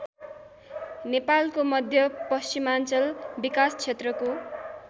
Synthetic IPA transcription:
nepalkomʌd̪ʱjʌpʌst͡ɕimant͡sʌlbikast͡sʰet̪rʌko

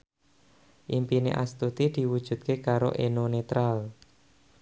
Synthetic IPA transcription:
ʔimpinḛʔa̰st̪ut̪id̪̥i̤wud̥ʒ̥ṳt̪̚kekaɾo̰ʔenonet̪ɾal

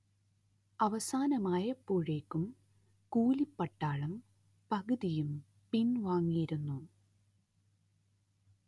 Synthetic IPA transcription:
ɐʋɐsaːnɐmaːjɐpːuːɻeːkːum | kuːlipːɐʈːaːɭɐm | pɐɣɨðijum | pinʋaːŋːijiɾunːu

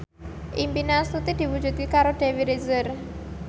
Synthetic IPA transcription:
ʔimpinast̪ut̪id̪̥i̤wud̥d͡ʒṳd̪̚kikaɾoɖ̥e̤wiɾezər

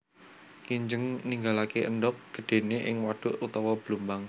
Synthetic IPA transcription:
kiɲd͡ʒəŋniŋɡalakeʔənd̪ɔk̚ɡ̥ə̤ɖ̪̥e̤neʔɪŋwaɖ̥ʊ̤ʔut̪ɔwɔb̥əlumbaŋ

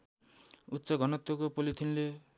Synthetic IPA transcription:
utːsʌɡʱʌnʌt̪ːwokopolit̪ʰinle

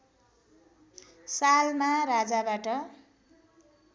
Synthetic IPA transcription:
salmaɾad͡zabaʈʌ

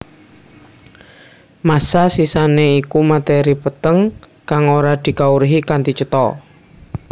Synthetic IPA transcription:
masasisaneikumat̪eɾipət̪əŋ | kaŋoɾad̪̥i̤kauɾɦikant̪it͡ʃət̪ɔ

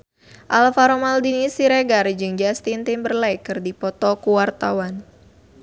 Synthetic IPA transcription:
ʔalfaɾomaldinisiɾeɡard͡ʒɨŋd͡ʒast̪int̪inbərlɛjkɨrdipɔt̪ɔkuwart̪awan

